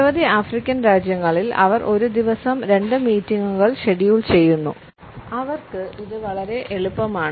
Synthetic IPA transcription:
ɐʋɐðiaːfrikʲːɐnɾaːd͡ʑjɐŋːɐɭilɐ̰ʋɐrʔo̞ɾud̪iʋɐsɐmɾe̞ɳɖɨmiːtːiŋɡuɣɐɭɕeɽijuɭt͡ɕe̞jːunːṵ | ɐʋɐrkɨʔiðɨʋɐɭɐɾe̞ʔeɭupːɐmaːɳ

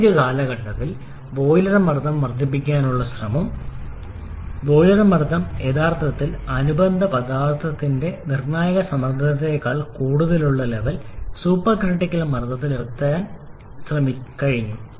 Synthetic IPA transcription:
d͡ʑɐkaːlɐɣɐʈːɐt̪ːil | ʋo̞ːjlɐrɐmɐrd̪ʱːɐmːɐrd̪ip̬ːikʲːaːnuɭːɐɕrɐmɐm | ʋo̞ːjlɐrɐmɐrd̪ʱɐme̞ːd̪aːrt̪ʰɐt̪ːilɐnubɐnd̪ʱɐpɐd̪aːrt̪ʰɐt̪ːinde̞nirnaːjɐɣɐsɐmɐrd̪ʱɐnɐt̪ːekːaːɭkuːɽuðɐluɭːɐleʋɐlsuːpːɐkrɐʈːikʲːɐlɐmɐrt̪ʰːɐt̪̬ːilert̪ːaːn | srɐmikɐɻiɲːu

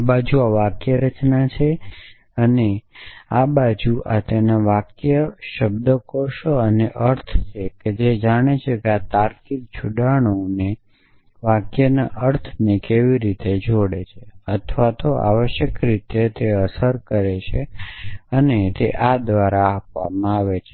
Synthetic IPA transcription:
abad͡ʒuaʋakjəɾət͡ʃnat͡ʃʰe | əneabad͡ʒuʔat̪enaʋakjəʃəbd̪əkoʃoəneʔəɾt̪ʰt͡ʃʰeked͡ʒed͡ʒaɽ̃et͡ʃʰekeat̪aɾkik̚t͡ʃʰuɖaɽ̃one | ʋakjənaʔəɾt̪ʰnekeʋiɾit̪ed͡ʒoɽet͡ʃʰeət̪ʰʋat̪oʔa̰ʋəʃjəkɾit̪et̪eəsəɾkəɾet͡ʃʰe | ənet̪eʔad̪ʋaɾaːpʋa̰mãaʋet͡ʃʰe

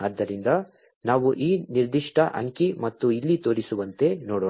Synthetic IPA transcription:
aːd̪ːɐɾind̪ɐ | naːʋuʔiːniɾd̪iʂʈʰɐʔɐ̰ŋkimɐt̪ːuilːit̪o̞ːɽisuʋɐnt̪e̞noːɽo

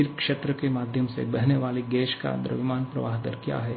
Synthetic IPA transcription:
ɪɾpkʃet̪ɾəkemaːd̪ʱjəmsḛbɛɦneʋaːliɡɛːʃka̰d̪ɾə̰ʋɪmaːnpɾɐ̰ʋa̰ːɦd̪ə̰ɾkja̰ːɦɛː

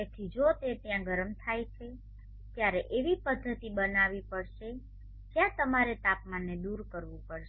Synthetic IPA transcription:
et̪ʰid͡ʒot̪et̪jãɡəɾəmt̪ʰajt͡ʃʰe | t̪jaɾeʔeʋipəd̪ʱːət̪ibənaʋipəɾʃe | kjãt̪əmaɾet̪apmanːed̪uɾkəɾʋũpəɾʃe

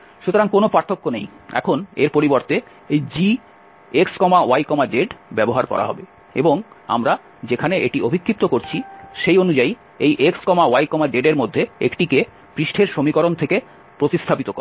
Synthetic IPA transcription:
ʃut̪oɾaŋkonopaɾt̪ʰːokːonej | ɛ̰kʰoneɾpoɾiboɾt̪e | ejd͡ʑi | ekskɔmaoajkɔmad͡ʑeɖbɛboɦaɾkɔ̰ɾa̰ɦɔ̰be | ḛboŋ | a̰mɾa | d͡ʑekʰaneʔḛʈiobʱikʰːip̚t̪okoɾt͡ɕʰiʃejonud͡ʑai | ejʔekskɔmaoajkɔmad͡ʑeɖeɾmod̪ʱːeekʈike | pɾiʃʈʰeɾʃomikɔɾont̪ʰeke | pɾot̪ist̪ʰapit̪okɔa

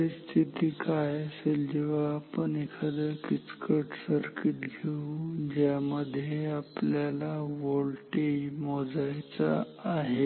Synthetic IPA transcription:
əɾist̪ʰit̪iːkajəseld͡ʑeʋaːpəɳekʰəd̪əkit͡skʰəʈsəɾkiʈɡʱeud͡ʑjaməd̪ʱjeapljalaʋolʈemɔd͡zajt͡sa̰ː | ɦe

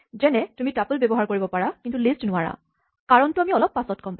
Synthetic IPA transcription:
zɛnɛtumitapulbjɔbɔɦaɹkoɹibɔpaɹakintulistnʊwaɹa̰ | kaɹɔntuamiɔlɔpːasɔtkɔmpa

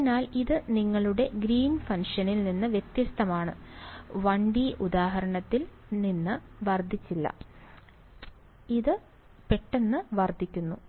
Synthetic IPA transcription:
naːliðɨniŋːɐɭuɽe̞ɡɾiːnfɐnʂɐnilninːɨʋjet̪jɐst̪ʰɐmaːɳɨ̰ʋɐɳɖiʔud̪aːɦɐɾɐɳɐt̪ːil | ninːɨʋɐrd̪ʱit͡ɕːilːɐ̰ | iðɨ | pe̞ʈːe̞nːɨʋɐrd̪ʱːikʲːunːu

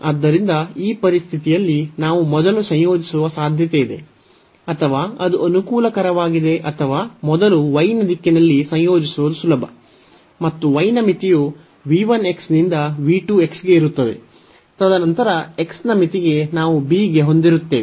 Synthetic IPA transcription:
ɐd̪ːɐɾind̪ɐiːpɐɾist̪ʰit̪ijɐlːinaːʋumɔd̪ɐlusɐ̃jjo̞ːd͡ʒisuʋɐsaːd̪ʱjɐt̪eid̪e̞̰ | ɐt̪ʰɐʋaːɐd̪uʔɐnukuːlɐkɐɾɐʋaːɡid̪e̞ʔɐt̪ʰɐʋaːmɔd̪ɐluʋɐjnɐd̪ikːinɐlːisɐjjo̞ːd͡ʒisuʋɐd̪usulɐbʱɐ̰ | mɐt̪ːuʋɐjnɐmit̪iju | ʋiːʋɐne̞ksnind̪ɐʋiːʈuːe̞ksɡe̞iɾut̪ːɐd̪e̞̰ | t̪ɐd̪ɐnɐnt̪ɐɾɐe̞ksnɐmit̪iɡe̞naːʋubiːɡe̞ɦo̞nd̪iɾut̪ːe̞ː

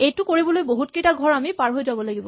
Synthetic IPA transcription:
ejtʊkoɹibɔlojboɦutkejtaɡʱɔɹamipaɹɦojzabɔlaɡibɔ

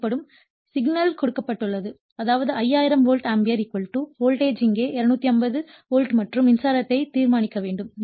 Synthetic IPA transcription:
pːɐɽɯm | sɪɡnɐlkɔɽɯkːɐpːɐʈːɯɭːɐðɯ | ɐðaːʋɐðɯɐjːaːjɪɾɐmʋoːlʈaːmbɪjɐɾikːɔɭʈːɯʋoːlʈeːd͡ʒɪŋɡeːʔɪɾɐnuːt̪ːiɐmbɐðɯ | ʋoːlʈmɐʈrɯmɪnsaːɾɐt̪ːɐɪt̪iːɾmaːnɪkːɐʋeːɳɖɯm

